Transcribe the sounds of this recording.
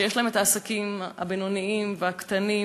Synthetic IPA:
jeʃlaemetaːsakimha̰benoniimveakt̪ani

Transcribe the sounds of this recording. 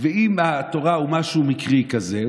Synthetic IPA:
veimato̞ʁahumaʃumikʁikaze

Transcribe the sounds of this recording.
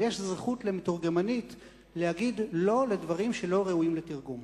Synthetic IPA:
jeʃzʁeχutle̞metuʁɡemanit | lehaɡid̪lo̞le̞d̪vaʁimʃe̞lo̞ʁe̞uimletiʁɡum

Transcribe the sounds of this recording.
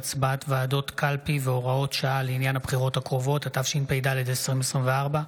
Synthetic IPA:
t͡sbaatvaːdo̞tkalpiveo̞ʁao̞tʃaaleinjanhabχiʁo̞thakʁovo̞thatafʃinpejdaled̪esʁimesʁimveaʁba

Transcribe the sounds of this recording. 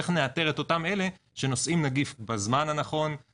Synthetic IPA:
eχneat̪e̞ʁe̞t̪o̞tame̞le̞ | ʃe̞no̞sʔimnaɡifbazmanhanaχo̞n

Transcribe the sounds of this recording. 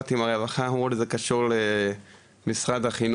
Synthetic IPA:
t̪imaʁevaχahuolezekaʃuʁle | misʁad̪aχin

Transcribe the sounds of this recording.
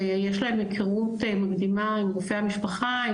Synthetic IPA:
jeʃlahe̞mekʰiʁut̪emaɡd̪imaimɡufeamiʃpaχa

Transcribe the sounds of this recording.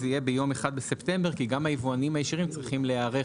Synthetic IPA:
zijebejo̞meχad̪̚besept̪e̞mbeʁkiɡamhajivuanimhajeʃiʁimt͡sʁiχimleaʁe

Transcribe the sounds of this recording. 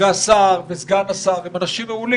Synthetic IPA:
easaʁbezɡanasaʁimanaʃimeuli

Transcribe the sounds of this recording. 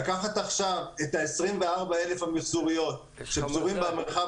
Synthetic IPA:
akaχat̪aχʃavet̪aesʁimve̞aʁbae̞le̞fhamisuʁijo̞t̪ | ʃepzuʁimbeamχa

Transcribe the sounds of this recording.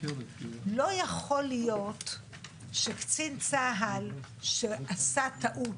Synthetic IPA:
lo̞jaχo̞lijo̞t | ʃekt͡sint͡saɦal | ʃeʔasat̪aʔu

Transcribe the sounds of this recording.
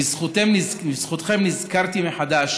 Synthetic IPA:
izχut̪emnizisχut̪χe̞mnizkaʁt̪imeħad̪aʃ

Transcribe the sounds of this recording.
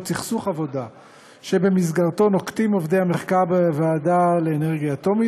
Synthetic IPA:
t͡siχsuχavo̞d̪a | ʃe̞be̞mis̬ɡaʁt̪o̞no̞kt̪imo̞vde̞jhameχkaʁbevaːdale̞ːne̞ʁɡijaːt̪o̞mi

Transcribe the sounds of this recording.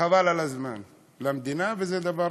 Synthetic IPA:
avalalazma̰ːn | lamd̪iːnabɪzed̪abɑɾ

